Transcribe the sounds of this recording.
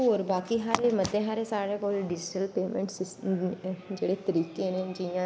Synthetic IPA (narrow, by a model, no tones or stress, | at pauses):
oːɾbaːkiɦaɾemət̪eɦaɾesaːɾekoːlɖɪd͡ʒʈəlpeːmẽɳʈsɪs | d͡ʒeːɽet̪əɾiːkened͡ʒijãː